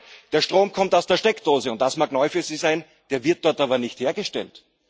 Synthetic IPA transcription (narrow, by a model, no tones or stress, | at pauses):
d̥eːɐʃtʁ̥oːmkʰɔmtaʊsd̥eːɐʃtɛkd̥oːzəʊnt̚d̥asmaːknɔʏfyːɐziːzaɪn | d̥eːɐvɪɐt̚d̥ɔɐtaːbɐnɪçtheːɐɡəʃtɛ̰lt